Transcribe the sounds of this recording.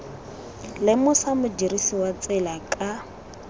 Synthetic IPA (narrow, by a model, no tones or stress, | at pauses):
lɪmʊsamʊdirisiwat͡sʼɛlakʼa